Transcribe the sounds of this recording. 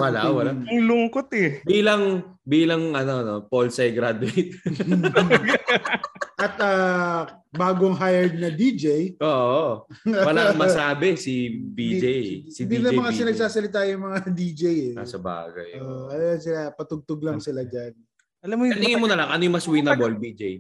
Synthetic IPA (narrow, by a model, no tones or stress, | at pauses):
wɐlawɐlaŋlʊŋkot̪ɛbiːlɐŋbiːlɐŋʔɐnonopolsɐjɡɾad̪ʊejt̪̚ | ʔɐt̪̚aː | baːɡoŋɦajɛɹd̪̚nɐd̪id͡ʒɛjʔoːʔowɐlamɐsaːbɛsibid͡ʒejsidd̪inɐjmɐŋasɪnɐɡsaːsɐlɪt̪̬aːjʊŋmɐŋad̪iːd͡ʒɛjɛa̰sɐba̰ːɡɐ̰joːʔoʔɐlalɐŋsɪlapɐt̪ʊɡ̚t̪ʊɡ̚lɐŋsɪlad͡ʒan | ʔɐlamːojɐt̪ɪŋɪmonɐlaŋʔɐnojʊŋmɐswinɐbolbid͡ʒej